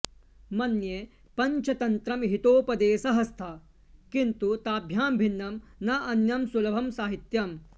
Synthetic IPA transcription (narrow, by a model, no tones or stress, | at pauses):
mɐnje | pɐɲt͡ʃʰɐt̪ɐnt̪ɾɐmɦit̪oːpɐd̪eːsɐɦɐst̪ʰɐ | kint̪ut̪aːbʱjaːmbʱinːɐmnɐʔɐnjɐmsulɐbʱɐmsaːɦit̪jɐm